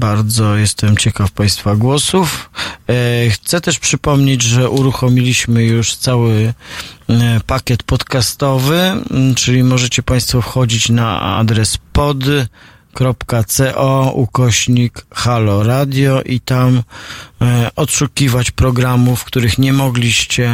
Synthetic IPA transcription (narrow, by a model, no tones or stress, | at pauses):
baɾd̪zɔjɛst̪ʰɛmt͡ɕɛkafpaj̃st̪faɡwɔsuf | xt̪sɛt̪ɛʂpʂɘpɔmɲed͡ʑʐɛʔuɾuxɔmʲilʲiɕmɘjuʂt̪sawɘ | pakʲɛt̪pɔt̪kast̪ɔvɘt͡ʂɘlʲimɔʐɛt͡ɕɛpaj̃st̪fɔfxɔd͡ʑit͡ɕnaa̰d̪ɾɛspɔd̪ | kɾɔpkat̪sɛʔɔukɔɕɲikxalɔɾad̪ʲjɔʔit̪am | ɔt̪ʂukʲivat͡ɕpɾɔɡɾamufkt̪uɾɘxɲɛmɔɡlʲiɕt͡ɕɛ